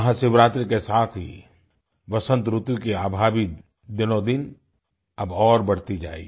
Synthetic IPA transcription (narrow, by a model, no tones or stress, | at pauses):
ɦãsɪʋɾaːt̪ɾikesaːt̪ʰɦḭ | ʋɐsə̃nt̪ɾʊt̪wikeaːbʱaːbi | d̪ɪnod̪ɪn | ɐbɔːɾbɐɽt̪id͡ʒa̰ːḭː